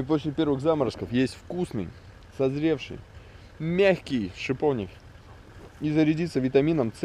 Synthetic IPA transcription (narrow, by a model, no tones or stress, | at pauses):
iposʲlʲɪpʲe̞ɾvɨɣzaməɾskəfjesʲtʲfkusnɨ̰j | sɐzɾʲe̞fʂɨ̰j | mʲæxʲkʲɪjʂɨpovnʲɪ̰k | izəɾʲɪdʲit̪səvʲɪt̪ɐmʲinəmt̪s